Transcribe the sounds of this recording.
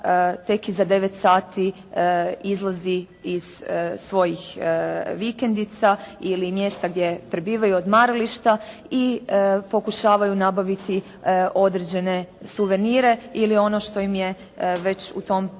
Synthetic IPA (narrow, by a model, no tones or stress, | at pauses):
t̪e̞kizad̪e̞ʋet̪saːt̪i | izlˠazi | iz̥sʋo̞jixʋikend̪it̪sailimje̞st̪aɡd̪je̞pɾe̞biːʋajuod̪maːɾaliʃt̪a | ipo̞kuʃaːʋajunabaʋit̪i | o̞d̪ɾed͡ʑe̞ne̞suʋe̞niɾe̞ilio̞noʃt̪o̞jimje̞ | ʋe̞t͡ɕṵt̪o̞m